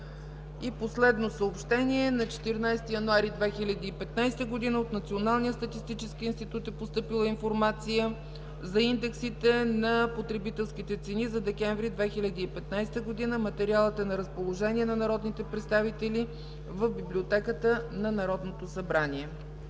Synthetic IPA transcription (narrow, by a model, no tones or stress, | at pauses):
iposlɛd̪nosəopʃt̪ɛniɛnɐt͡ʃɛ̥t̪iɾnajst̪ijɐnuaɾid̪vɛxilʲɐd̪iːpɛt̪najst̪əɡod̪inəot̪nɐt̪sionalˠnijəst̪ɐt̪ist̪it͡ʃɛskiinst̪it̪ut̪ɛpost̪ɤpilˠəinfoɾmat̪sijə | zɐind̪ɛksit̪ɛnɐpot̪ɾɛbit̪ɛlˠsk̟it̪ɛt̪sɛnizɐd̪ɛkɛɱvɾid̪vɛxilʲɐd̪iːpɛt̪najst̪əɡod̪inəmɐt̪ɛɾialˠət̪ɛnɐɾəspolˠoʒɛnʲiɛnɐnɐɾɔd̪nit̪ɛpɾɛt̪st̪avit̪ɛli | vəvbiblʲiot̪ɛkət̪ənɐnɐɾɔd̪not̪osɐbɾaniɛ